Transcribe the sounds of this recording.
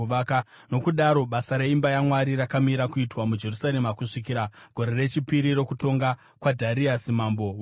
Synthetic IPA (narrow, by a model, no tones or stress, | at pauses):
ʋaka | no̞kuɗaɾo̞ɓasaɾeimbajamwaɾiɾakamiɾakuitwamud͡ʒe̞rusaɾe̞makuʂikiɾaɡ̥ʱo̞ɾe̞re̞t͡ʃipiɾiɾo̞kuto̞ŋɡa | kwadʱaɾiasimambo